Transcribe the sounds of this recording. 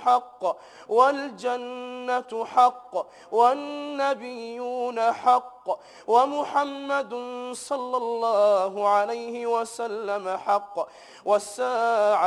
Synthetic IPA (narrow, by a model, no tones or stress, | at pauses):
ħɑqː | wald͡ʒanːat̪ħɑqː | wanːabɪjːuːnaħɑqː | wamʊħamːad̪sˤɑlːɑlːɑːɦʊʕalajhɪwasalːamaħɑqː | wasːaːʕa